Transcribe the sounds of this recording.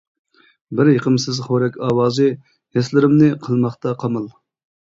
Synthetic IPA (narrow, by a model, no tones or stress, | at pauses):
bɪɾjeqʰəmsɪzχoɾɛkʲɑːwɑːzɨ | hɛslɪɾɪmnɪqʰəlˠmɑχt̪ɑqʰɑmɑlˠ